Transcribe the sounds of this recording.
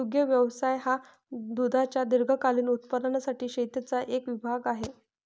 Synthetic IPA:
uɡjəʋjəʋsajɦa | d̪ud̪ʱat͡ɕjad̪iɾɡʱəkaliːnut̪̚pəd̪ənasaʈiːɕet̪jət͡saʔekʋibʱaɡaɦe

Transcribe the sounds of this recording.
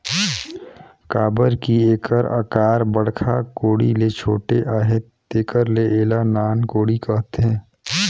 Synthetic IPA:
kaːbəɾkieːkəɾa̰ːkaːɾbəɽ̤kʰakoːɽilet͡ʃʰoːʈeʔaːɦet̪ːeːkəɾleeːlanaːnkoːɽikəɦt̪eɦɛ̃ː

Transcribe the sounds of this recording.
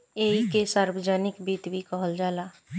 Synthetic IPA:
eːikesaːɾwəd͡ʒaːnɪkbiːt̪bʱikɔɦəld͡ʒaːlaː

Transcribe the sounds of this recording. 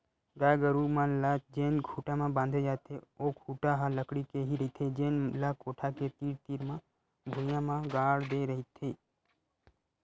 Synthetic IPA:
ɡaːɡəɾumãlad͡ʒeːnɡʱuːʈamãbãːnd̪ʱed͡ʒaːt̪eoːɡʰʱuːʈaɦaləkɽikeɦiɾəɦit̪ʰed͡ʒeːnlakoːʈʰaket̪iːɾt̪iːɾmã | bʱʊjãmãɡaːɽd̪eɾəɦit̪ʰːeː

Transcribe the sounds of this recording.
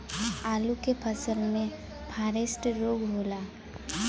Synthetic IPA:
aːlukepʰəsəlmẽ | pʰaːɾɪsʈɾoːɡɦoːlaː

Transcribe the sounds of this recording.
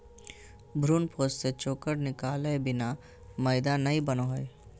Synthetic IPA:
bʱɾuːnpʰoːsset͡ʃoːkəɾnɪkaːlebɪna | məɪd̪anɐɦibənoɦoe

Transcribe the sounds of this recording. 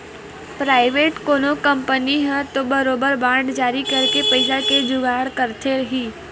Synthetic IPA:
pɾaːɪʋeːʈkoːnokə̃mpəniɦɛ̃t̪obɐɾoːbəɾbãːɳɖd͡ʒaːɾikɐɾkepəɪsaked͡ʒʊɡaːɽkɐɾt̪ʰeɾɦiː

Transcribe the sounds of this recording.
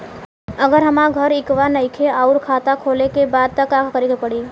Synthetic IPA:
əɡəɾɦəmãɡʱəɾɪkʋanəɪkʰeaːuɾkʰaːt̪akʰolekebaːd̪̚t̪əkakkəɾiɡepəɽiː

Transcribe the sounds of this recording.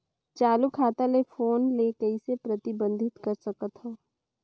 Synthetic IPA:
t͡ʃaːlukʰaːt̪alefoːnleːkəisepɾɐt̪ɪbə̃nd̪ʱɪt̪kɐɾsɐkət̪ɦoː

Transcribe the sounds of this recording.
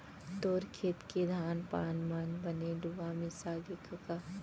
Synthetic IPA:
t̪oːɾkʰeːt̪ked̪ʱaːnpaːnmanbɐneɖuʋamẽsaːɡekəka

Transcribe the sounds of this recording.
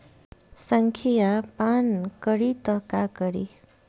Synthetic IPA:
səŋkʰijapankəɾit̪əkakəɾḭ

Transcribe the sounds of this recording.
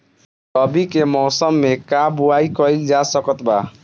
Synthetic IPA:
t̪ɔbʱikemɔːsəmːekabuaikɔild͡ʒasəkət̪ba

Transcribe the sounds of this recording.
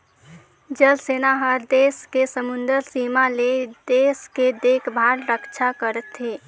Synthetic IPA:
d͡ʒəlseːnaɦəɾd̪eːskesəmʊ̃nd̪əɾsiːmaled̪eːsked̪eːkʰbʱaːɾɾəkt͡ʃʰakəɾət̪ɦeː

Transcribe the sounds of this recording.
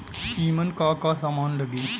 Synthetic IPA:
iːmɐnkaːkaːsɐmaːnlɐɡi

